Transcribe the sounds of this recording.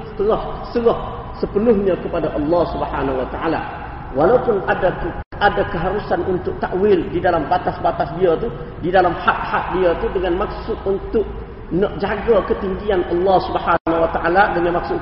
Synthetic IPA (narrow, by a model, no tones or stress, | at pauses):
sə̥t̪əlahsəlah | səpənʊhɲãkəpadaʔɑlːɑhsubəhanawat̪aʔa̰la̰ | walaupʊnadaə | adakəɦaɾusanunt̪ʊʔ̚t̪aʔwɪldidalambat̪asbat̪asdiat̪u | didalamhaʔ̚haʔ̚diat̪udəŋanmak̚sʊt̪̚unt̪ʊʔ̚ | nəʔd͡ʒaɡakət̪iŋɡianʔɑlːɑhsubəhanawat̪aʔaladəŋanmak̚sʊ